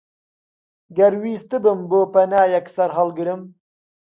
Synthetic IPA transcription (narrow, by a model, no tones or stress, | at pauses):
ɡɐɾwiːst̪ɨbɨmboːpɐnaːjɛksɐɾɦɐlɡɨɾɨm